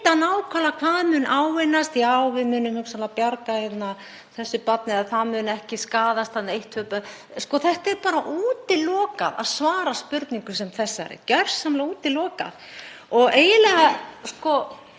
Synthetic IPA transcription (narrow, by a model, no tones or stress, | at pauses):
t̪anaːwkʰvalakʰvaːðmʏːnʔaːwvɪnːast̪jaːwvɪðmʏːnʏmhʏksalapjaɾkaçjɛt̪na | θɛsːʏpat̪nɪaðθaðmʏnɛhcɪskaːðast̪θhannaejht̪hœpa | skɔθɛht̪ɛɾpaːɾaʔuːt̪ɪlɔːkaða̰ðsvaːɾaspʏɾt̪niŋkʏsɛmθɛsːaɛ̰ɾɪ̰cɛr̥sːamlauːt̪ɪlɔːka̰ð | ɔɣeːjɪlɛɣaskɔ